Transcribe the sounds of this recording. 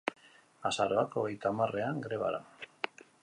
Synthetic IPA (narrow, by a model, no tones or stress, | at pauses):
asaɾoakoɣejt̪amare̞aŋɡɾe̞βa̰ɾa